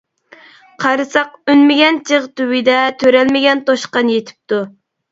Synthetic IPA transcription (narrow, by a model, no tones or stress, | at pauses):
qʰɑɾɨsɑq̚ynmɪɡʲɛnt͡ʃʰeʁt̪ywid̪ɛt̪ʰøɾɛlmɪɡʲɛnt̪oʃqɑnjet̪ʰɪ̥p̚t̪u